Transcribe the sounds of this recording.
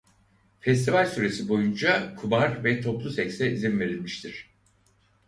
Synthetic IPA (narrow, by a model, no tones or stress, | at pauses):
fɛst̪ʰivalʲsyɾe̞sibo̞jund͡ʒakʰubaɾvɛt̪ʰo̞plˠusɛcsɛizinve̞ɾilʲmiʃt̪ʰiɾ̝̥